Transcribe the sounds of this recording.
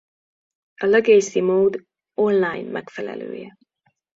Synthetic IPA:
ʔəlɛɡeːsimoːd̪ | onlajnmʔɛɡfɛlɛ̰lø̰ːjɛ

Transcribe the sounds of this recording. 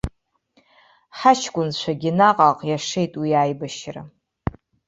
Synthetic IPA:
ħat͡ʃʰɡʷʼʊnt͡ɕʷʰaɡʲɪnaqʼaqʼjaʂejtʼwiaːjbɨʃra̰

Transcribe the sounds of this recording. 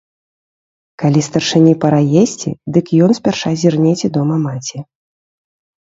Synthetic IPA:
kalʲist̪ɐrʂɨnʲipɐɾajesʲt͡sʲḭd̪ɨkjɔnsʲpʲarʂazʲirnʲet͡sʲɛd̪ɔmɐmat͡sʲi

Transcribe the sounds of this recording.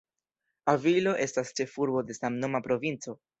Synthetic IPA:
avilo̞ʔe̞stast͡ʃe̞fuɾbo̞de̞samno̞mapɾo̞vint͡so̞

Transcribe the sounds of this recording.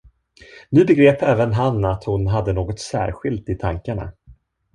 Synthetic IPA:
nʉ̟ːbɛɡɾeːpɛːvənɦanːat̪hʊnɦad̪ːənoːɡɔt̪sæ̰ːɾɧɪlt̪ɪt̪ʰaŋkaɳa̰

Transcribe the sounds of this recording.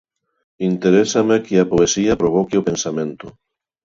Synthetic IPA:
int̪eɾesamekiapoesiɐpɾoβɔkeopẽnsamẽnt̪ʊ

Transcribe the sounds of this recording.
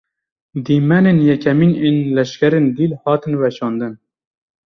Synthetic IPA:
d̪iːmɛnenjɛkʰɛmiːneːnlɛʃkʲɛɾeːnd̪iːlhɑːt̪ɨnwɛʃɑːnd̪ɨn

